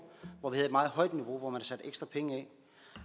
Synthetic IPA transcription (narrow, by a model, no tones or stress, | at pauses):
ʋɒʋihæð̩ˠed̥mɑ̈ːð̞̩ˠɦɒ̽ɪ̰d̥niʋo̝ʋɒmænhɑsæd̥eɡ̥sd̥ʁɐpʰeŋəɛ